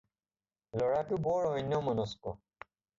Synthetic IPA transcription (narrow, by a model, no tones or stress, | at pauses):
lɔɹakubɔɹɔnjɔmɔnɔskɔ̰